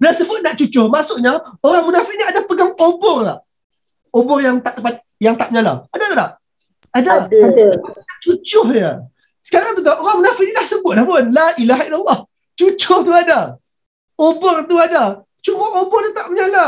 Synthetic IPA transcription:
lasəbʊt̪̚naʔt͡ʃut͡ʃʊhmasʊʔɲaoɾaŋmunafɪʔniadapəɡaŋobɔrla̰h | obɔrjaŋt̪aʔt̪əpa | jaŋt̪aʔ̚məɲala̰adat̪ulah | adadadaanaʔt͡ʃut͡ʃʊhɲə | sə̥kaɾaŋt̪ut̪aʔoɾaŋmənafɪʔnidahsəbʊt̪̚lahpʊnlailaɦailalˠːɑh | t͡ʃut͡ʃʊht̪uada | obɔrt̪uada | t͡ʃumaʔobɔrnit̪aʔ̚məɲala

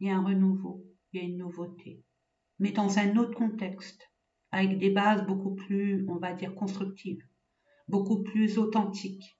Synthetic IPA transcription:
iljaɛ̃ʁənuvo | iljaynːuvot̪ʰe | mɛd̪ɑ̃zɛ̃not̪χəkɔ̃t̪ɛkst̪ | avɛkd̪ebazbokuplyɔ̃vad̪iʁkɔ̃st̪χyk̚t̪ʰiv | bokuplyzot̪ɑ̃t̪ʰik

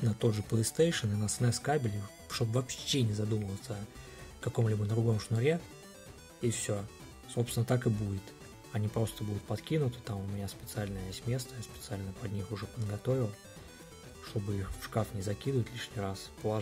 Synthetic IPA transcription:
nɐt̪o̞d̪ʐɨplˠəjst̪ejʂɨnɨnəsnɛskabʲɪlʲɪ | ʂt̪obvɐpɕːenʲɪzɐd̪uməlˠət̪sə | kɐko̞mlʲibəd̪d̪ɾʊɡo̞mʂnʊɾʲe | ifsʲo | sopsʲɪnət̪akɨbudʲɪt̪ | ɐnʲipɾo̞st̪əbud̪ʲʊt̪̚pɐt̪kʲinʊt̪ə̥t̪amʊmʲɪnʲaspʲɪt̪sɨalʲnəjesʲtʲmʲe̞st̪əjaspʲɪt̪sɨalʲnəpɐd̪ʲnʲixʊʐɛpəd̪ɡɐt̪o̞vʲɪlˠ | ʂt̪o̞bɨixfʂkafnʲɪzɐkʲid̪əvətʲlʲiʂnʲɪjɾaspəlˠɐ

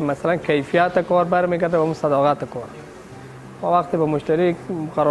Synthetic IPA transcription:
masalankʰajfijat̪akɔɾbaɾmeɡaɾd̪abamusad̪ɔːɣat̪akʰɔɾ | mɔwaqt̪ɪbamʊʃt̪aɾikqaɾɔ

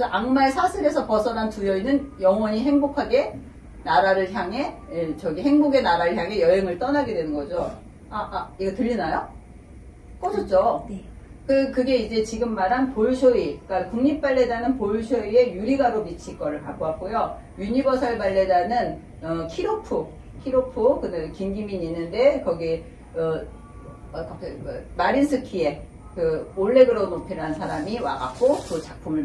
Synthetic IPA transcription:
kesʰʌʔaŋmaesʰasʰɯɾe̞sʰʌpʌsʰʌnantujʌinɯnjʌŋwʌɲiɦe̞ŋbokʰaɡe̞ | naɾaɾɯɭçjaŋɦe̞t͡ɕʌɡihe̞ŋboɡe̞naɾaɾɯɭçjaŋɦe̞jʌeŋɯɭt͈ʌnaɡe̞dwe̞nɯnɡʌd͡ʑo | aaiɡʌtɯʎːinajo | k͈ʌsʰʌt͡ɕ͈on | kɯkɯɡe̞id͡ʑe̞t͡ɕiɡɯmːaɾɦanpoɭsʰoik͈akuŋɲip̚p͈aɭːedanɯnpoɭsʰoie̞juɾiɡaɾomit͡ɕʰik͈ʌɾɯɭpak͈oɦak̚k͈ojo | juɲibʌsʰaɭbaɭːe̞danɯn | ʌkʰiɾopʰu | kʰiɾopʰukɯnɯkimɡimiɲinːɯnde̞kʌɡi | ʌ | kʌmaɾinsʰɯkʰie̞ | kɯoɭːe̞ɡɯɾʌnopʰiɾɦansʰaɾamiwa̰ɡa̰k͈okɯt͡ɕak̚pʰumɯɭ

